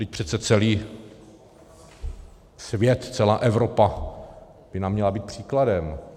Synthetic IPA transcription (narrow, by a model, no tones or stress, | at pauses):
ɪc̚pr̥ɛt̪t͡sɛt͡sɛliː | svjɛt̪t͡sɛlaːʔɛvɾopa | b̥ɪnamːɲɛlabiːt̪̚pr̝̥iːkladɛm